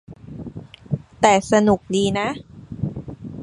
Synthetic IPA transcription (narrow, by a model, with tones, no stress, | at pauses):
t̪ɛː˨˩sa˧nu˨˩k̚diː˧na˦˥ʔ